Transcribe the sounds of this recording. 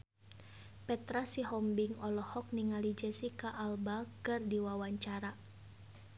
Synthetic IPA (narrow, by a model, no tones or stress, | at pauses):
pɛt̪ɾasiɦɔmbiŋɔlɔhɔk̚niŋalid͡ʒɛsikaʔːlbakɨrdiwawaɲt͡ʃaɾa